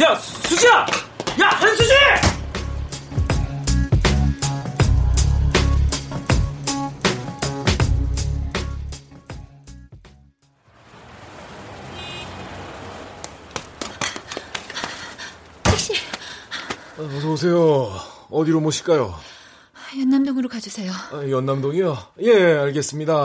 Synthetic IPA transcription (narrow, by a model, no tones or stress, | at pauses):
jasʰuɕiajahensʰuɕi | taɕ͈i | ʌsʰʌbosʰe̞jo | ʌd̪iɾomoɕʰi̥k͈ajo | jʌnːamdoŋɯɾokad͡ʑusʰe̞joajʌnːamdoŋijoje̞aɭɡe̞s͈ɯmɲida